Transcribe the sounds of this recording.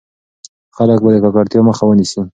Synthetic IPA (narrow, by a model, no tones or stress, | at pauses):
xalək̚bad̪əkɑkɑɾt̪jɑməxawənisu